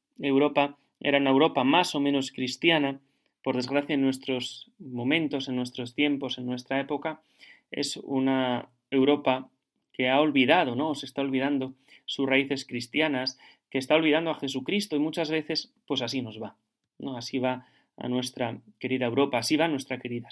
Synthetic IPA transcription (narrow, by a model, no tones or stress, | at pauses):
e̞wɾopa | ḛɾaunaewɾo̞pamaso̞mẽ̞no̞skɾist̪jana | po̞ɾð̞e̞zɣɾaθjaenːwe̞st̪ɾo̞smõ̞mẽ̞nt̪o̞se̞nːwe̞st̪ɾo̞st̪je̞mpo̞se̞nːwe̞st̪ɾae̞po̞ka | ḛsṵna | e̞wɾo̞pa | ke̞ao̞lβiðað̞o̞no̞ːse̞st̪ao̞lβið̞and̪o̞ | susraiθe̞skɾist̪janas | ke̞ːst̪ao̞lβið̞and̪oaxe̞sukɾist̪o̞imut͡ʃazβ̞e̞θe̞spwe̞sasino̞zβa | noasiβa | a̰nwe̞st̪ɾake̞ɾiðaewɾo̞paːsiβanwe̞st̪ɾake̞ɾiða